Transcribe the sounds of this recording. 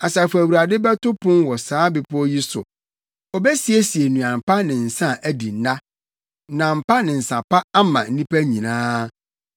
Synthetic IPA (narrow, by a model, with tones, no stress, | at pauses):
a˨sa˨fæ˨wu˨ɾa˨dɪ˦bɛ˦tʊ˦pʰʊ̃˦mwɔ˨saː˨˦bɪ˨pʊ˦ɔ˦ji˦sʊ̰˨ | ɔ˨bɛ˦si˨e˦si˨e˨nũ˨ã˨m˨pa˦nɪ̃˨n̩˨sã˦˨ʔæ˦di˨˦nã˦ | nã˨m̩˨pa˦nɪ̃˨n̩˨sã˨pʰa˦a˦mã̰˨n̩˦nĩ˦pæ˦ɲĩ˨nãː˦